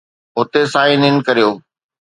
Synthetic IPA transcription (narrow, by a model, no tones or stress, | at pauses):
ʊt̪esãːinɪnkɐɾijoː